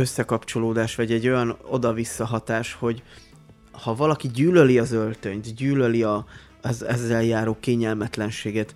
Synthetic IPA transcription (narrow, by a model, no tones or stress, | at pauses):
øsːɛkɒpt͡ʃo̞loːd̪aːʃʋɒɟɛɟːo̞jɒno̞̰d̪ɒvisːɒɦɒt̪aːʃho̞ɟ | hɒvɒlɒkiɟyːløliɒzø̞lt̪øɲt̪ɟyːløliɒ | zɛzːɛljaːɾoːkeːɲɛlmɛt̪lɛnʃeːɡɛt̪